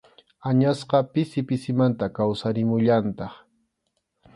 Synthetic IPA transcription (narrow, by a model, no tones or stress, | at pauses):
aɲasqɑpɪsɪpɪsɪmant̪akawsaɾɪmʊʎant̪ɑχ